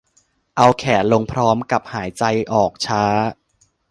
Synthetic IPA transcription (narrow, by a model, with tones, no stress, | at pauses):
ʔa˧wkʰɛː˨˩t̪̚lo˧ŋpʰɾɔː˦˥mka˨˩p̚haː˩˦jt͡ɕa˧jʔɔː˨˩k̚t͡ɕʰaː˦˥